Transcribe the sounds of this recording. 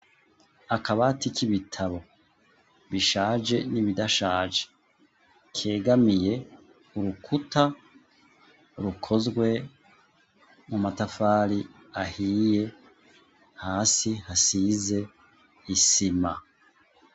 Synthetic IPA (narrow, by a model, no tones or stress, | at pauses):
akaβatikiβitʰaβo̞ | βiʃaːʒe̞niβidaʃaːʒe | kʰe̞ːɡamije̞ | uɾukʰuta | ɾukʰo̞zɡwe̞ | mumatafaːɾi | ahiːje̞ | haːsihasize̞ | isima